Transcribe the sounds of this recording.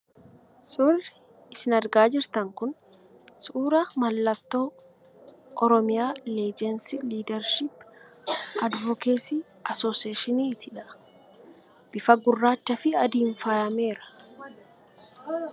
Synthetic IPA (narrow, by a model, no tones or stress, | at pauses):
sʊrɪ | ɪsɪnɐɾɡaːd͡ʒɪɾt̪ɐŋkʊn | suːɾɐmɐlːɐt̪ːoː | ʔɔɾɔmɪjaːleːd͡ʒɛnsiliːd̪ɛɾʃɪpː | ɐd̪vɔkeːsi | ɐsoːseːʃɪniːt̪ʰɪᶑɐʔ | b̥ɪfɐɡʊrːaːt͡ʃːɐfɪɐd̪iːɱfajɐme̞ːɾɐ̥